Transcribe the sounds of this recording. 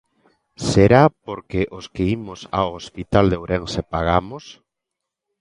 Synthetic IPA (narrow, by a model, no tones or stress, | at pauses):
seɾapoɾkeʔoskeimosa̰oospit̪ald̪owɾeŋsepaɣamos